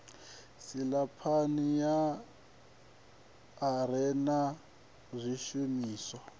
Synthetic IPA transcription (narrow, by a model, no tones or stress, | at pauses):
silapʰanija | ɾɛna | zʷiʃumiːswa